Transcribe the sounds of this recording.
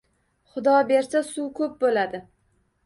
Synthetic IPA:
χʊd̪ɒbe̞ɾsasukʰɵp̚bolad̪ɪ

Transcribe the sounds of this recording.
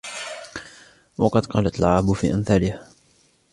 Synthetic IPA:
wɑqɑd̪qɑːlat̪alʕaːbʊfiːʔanθaːlɪh

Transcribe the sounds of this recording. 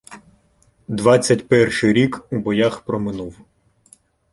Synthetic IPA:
d̪ʋɑt͡sʲːɐtʲpɛrʃɪɾʲikubɔjaxpɾɔmɪnuw

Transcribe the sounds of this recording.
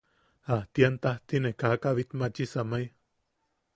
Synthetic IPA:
aht̪iant̪aht̪inekakaβit̪mat͡ʃisamaj

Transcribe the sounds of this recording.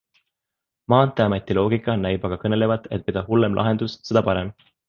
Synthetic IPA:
mɑːnt̪ːˑeɑmɑt̪ːˑilo̞ːɡikːˑɑnæjbɑɡ̥ɑkɤne̞le̞vɑd̪e̞t̪̚ˑped̪̥ɑhulːe̞mlʔɑ̰ɦe̞nd̪ussed̪ɑpɑɾe̞m

